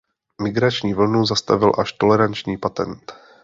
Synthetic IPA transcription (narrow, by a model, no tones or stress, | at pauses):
mɪɡɾat͡ʃɲiːvl̩nuzast̪a̰vɪlʔaʃt̪o̞lɛɾant͡ʃɲiːpat̪ɛ̰nt̪